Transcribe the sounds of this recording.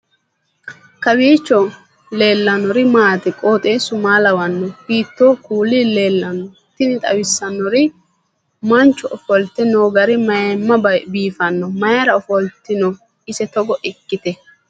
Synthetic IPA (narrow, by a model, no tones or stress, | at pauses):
kɐwiːt͡ʃːɔ | le̞ːlːɐnɔɾɪmaːt̪ɪkʼoːt̪ʼeːsʊmaːlɐwɐnːɔhiːt̪ːo̞ːkuːlɪle̞ːlːɐnːɔ | t̪ːɪnɪt̪ʼɐ̰wɪsːɐnːɔɾɪ | mɐnt͡ʃːɔʔɔfɔlt̪ɪnoːɡɐɾɪmɐjɐmːɐbɐbiːfɐnːɔmɐjɐɾɐɔfɔlt̪ːɪnɔ | ɪsɛt̪ɔɡɔʔɛkːɪt̪ɛ